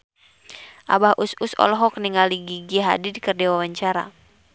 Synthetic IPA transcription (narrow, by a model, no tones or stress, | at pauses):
ʔa̰bahʔususɔ̰lɔɦɔkniŋaliɡiɡiaɦa̰didikərdɛwawaɲt͡ʃaɾa̰